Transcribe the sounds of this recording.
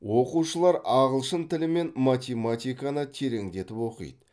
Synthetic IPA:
wo̞quʃəlˠɑɾɑʁəlˠʃənt̪ʰɪlɪme̞nmat̪ʲemat̪ʲijkanət̪ʰe̞ɾe̞ŋd̪e̞t̪ɪpwo̞qḭjd̪ə

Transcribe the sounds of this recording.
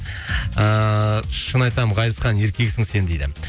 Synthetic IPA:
əʃənɑjt̪ɑmʁɑjəsqɑnje̞ɾkʲe̞ksɪŋse̞nd̪ejd̪ɪ̰

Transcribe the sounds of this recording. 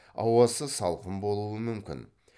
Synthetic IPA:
ɑ̰wɑsəsɑlˠqəmbo̞lˠuəmʏmkʲɪ̰n

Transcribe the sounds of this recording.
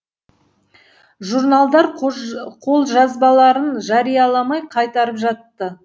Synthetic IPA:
ʒurnalˠd̪ɑɾqʰo̞lˠʒɑzbɑlˠɑɾənʒɑɾijɑlˠɑmɑjqʰɑjt̪ɑɾəpʒɑt̪ːə

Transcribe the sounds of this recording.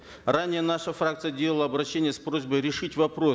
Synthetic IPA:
ranʲɪjənaʂəfrak̚t̪sɨjədʲelˠəlˠəɐbɾɐɕːenʲɪjəspɾo̞zʲbəjɾʲɪʂɨtʲvɐpɾo

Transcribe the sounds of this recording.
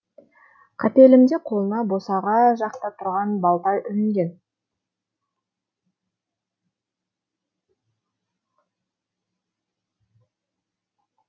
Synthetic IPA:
qʰɑt̪e̞lɪmd̪e̞qʰo̞lˠənɑbo̞sɑʁɑʒɑqt̪ɑt̪ʰʊɾʁɑnbɑlˠd̪ɑjʔʏlɪŋɡʲe̞n

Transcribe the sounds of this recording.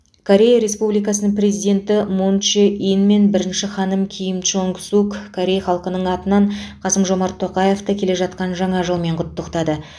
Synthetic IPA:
kʰo̞ɾʲe̞jaɾe̞spublijkɑsənəɴprʲe̞zijd̪ʲe̞nt̪ɪmont͡ʃeʔinme̞nbɪɾɪnʃɪχɑnəmkʲʰijɪmt͡ʃoŋksukkʰoɾʲe̞jaχɑlˠqənəɴɑt̪ənɑɴqʰɑsəmʒo̞mɑɾt̪ʰːo̞qɑje̞ft̪əkʲʰe̞le̞ʒɑt̪̚qɑnʒɑɴɑʒəlˠme̞ɴqʰʊt̪ːəqt̪ɑd̪ə

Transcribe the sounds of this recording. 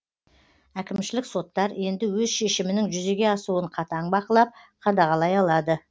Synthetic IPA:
ækʲɪmʃɪlɪkso̞t̪ːɑɾe̞nd̪ɪwɵzʃe̞ʃɪmɪnɪŋʒʏze̞ɡʲe̞ɑsuəɴqʰɑt̪ɑɴbɑqəlˠɑp̚qʰɑd̪ɑʁɑlˠɑjɑlˠɑd̪ə

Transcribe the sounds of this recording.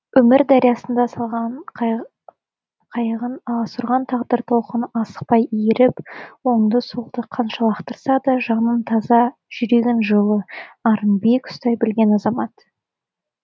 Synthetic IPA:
wɵmɪɾd̪ɑɾijɑsənd̪ɑsɑlˠʁɑn | qʰɑjʁənˠsʊɾʁɑnt̪ʰɑʁd̪əɾt̪ʰo̞lˠqənɑsə̥q̚pɑjijeɾɪpwo̞nd̪əsulˠd̪əqʰɑnʃɑlˠɑqt̪əɾsɑd̪ɑʒɑnənt̪ʰɑzɑʒ̥ʏɾe̞ɡʲenʒəlˠəɑɾənbekʊ̥st̪ɑjbɪlɡʲe̞nɑzɑmɑt̪

